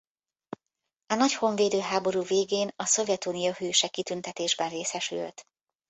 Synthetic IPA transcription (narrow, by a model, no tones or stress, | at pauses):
ɒnɒcho̞ɱveːd̪øːɦaːbo̞ɾuːveːɡeːnɒso̞vjɛt̪unijoɦyːʃɛkit̪ynt̪ɛt̪eːʒbɛnreːsɛʃy̰lt̪